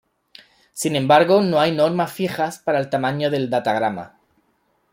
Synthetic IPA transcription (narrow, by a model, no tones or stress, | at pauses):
sinẽ̞mbaɾɣono̞ajno̞ɾmasfixaspaɾaelt̪amãɲoðe̞ld̪at̪aɣ̞ɾama̰